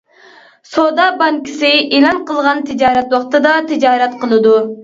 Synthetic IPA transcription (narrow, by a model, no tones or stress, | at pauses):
sod̪ɑbɑŋkʲʰi̥sɪʔelˠɑnqʰəlˠʁɑnt̪ʰid͡ʒɑːɾɛt̪wɑχt̪ɨd̪ɑt̪ʰid͡ʒɑːɾɛt̪qʰəlˠɨd̪u